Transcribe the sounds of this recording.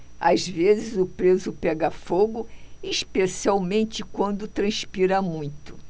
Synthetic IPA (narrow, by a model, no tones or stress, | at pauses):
azvezɪzʊpɾezʊpɛɡɐfoɡʊiʃpesiawmẽnt͡ʃɪkwɐ̃nd̪ʊt̪ɾɐ̃spiɾɐmũj̃t̪ʊ̥